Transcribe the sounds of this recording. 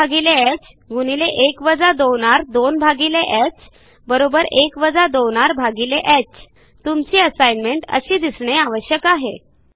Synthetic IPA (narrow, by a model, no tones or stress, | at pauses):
aɡileɛt͡ɕ | ɡuñileʔekʋəd͡zad̪owɳ̃aɾd̪onbʱaɡileʔɛt͡ɕ | bəɾobəɾekʋəd͡zad̪owɽ̃aɾbʱaɡileʔɛt͡ɕ | t̪umt͡ɕiːəsajnmeɳʈə̰ɕiːd̪isɳeaʋəɕjəkaɦḛ